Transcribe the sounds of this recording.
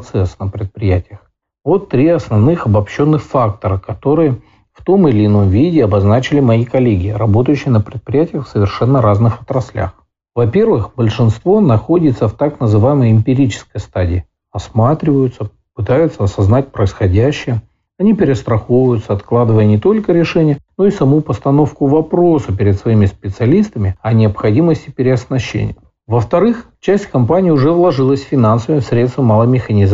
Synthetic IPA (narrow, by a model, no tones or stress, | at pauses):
t̪sɛsnəpɾʲɪt̪̚pɾʲɪjætʲɪjəx | vo̞t̪ːɾʲiɐsnɐvnɨxɐbɐpɕːo̞nːɨxfak̚t̪əɾəkɐt̪o̞ɾɨjə | ft̪o̞mɨlʲɪno̞mvʲidʲɪɐbɐznat͡ɕɪlʲɪmɐikɐlʲeɡʲɪɾɐbo̞t̪əjʉɕːɪjənəpɾʲɪt̪̚pɾʲɪjætʲɪjəxfsəvʲɪrʂɛnːəɾaznɨxɐt̪ɾɐsʲlʲa̰x | vɐpʲe̞rvɨxbəlʲʂɨnst̪vo̞nɐxo̞dʲɪt̪səft̪aknəzɨvajɪməjəɪmʲpʲɪɾʲit͡ɕɪ̥skəjəst̪adʲɪː | ɐsmat̪ɾʲɪvəjʊt̪sə | pɨt̪ajʊt̪səɐsɐznat̚ʲpɾəɪsxɐdʲæɕːɪjə | ɐnʲipʲɪɾʲɪst̪ɾɐxovəjʊt̪səɐt̪klˠad̪ɨvəjənʲɪt̪o̞lʲkəɾʲɪʂɛnʲɪjəno̞isɐmupəst̪ɐno̞fkʊvɐpɾo̞səpʲɪɾʲɪd̪svɐimʲɪspʲɪt̪sɨɐlʲist̪əmʲɪɐnʲɪɐpxɐdʲiməsʲtʲɪpʲɪɾʲɪɐsnɐɕːḛnʲɪ̰jə | vəft̪ɐɾɨx | t͡ɕæsʲtʲkɐmpanʲɪːʊʐɛvlˠɐʐɨlˠəsʲfʲɪnansəvəjfsɾʲet̪st̪vəmalˠəmʲɪxɐnʲɪz